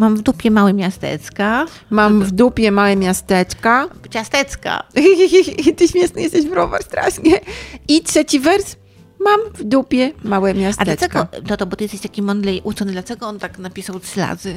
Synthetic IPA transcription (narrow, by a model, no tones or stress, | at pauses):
mamvd̪upʲjɛmawɛmʲjast̪ɛ̰t̪ska | mamvd̪upʲjɛmawɛmʲjast̪ɛt͡ʂkat͡ɕast̪ɛt̪ska̰ | t̪ɘɕmʲjɛsnɛjɛst̪ɛɕvɾɔva̰ɾst̪ɾa̰ʂɲɛitʂɛt͡ɕivɛɾs | mamvd̪upʲjɛmawɛmʲjastad̪lɛt͡ʃɛkɡɔt̪ɔt̪ɔbɔt̪ɨjɛst̪ɛɕt̪akʲimɔnd̪lɛjʔut̪sɔnɘd̪lat͡ʂɛɡɔɔnt̪aknapʲisawtʂɘla̰zɘ